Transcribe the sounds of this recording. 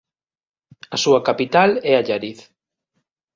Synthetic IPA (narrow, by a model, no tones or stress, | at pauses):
ɐsuɐkapit̪alɛaʎaɾiθ